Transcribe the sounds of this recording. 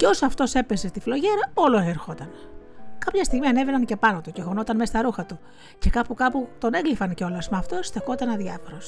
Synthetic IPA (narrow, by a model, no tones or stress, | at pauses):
ceo̞soɐft̪o̞se̞pe̞se̞st̪iflo̞ʝe̞ɾɐo̞lo̞eɾxo̞t̪ɐnkɐpçɐst̪iɣmiɐne̞ve̞nɐnce̞pɐno̞t̪uceɣo̞no̞t̪ɐnmest̪ɐɾuxɐt̪u | ce̞kɐpukɐput̪o̞ne̞ɡlifɐnceo̞lɐsmɐft̪ost̪exo̞t̪ɐnɐðʝɐfo̞ɾo̞s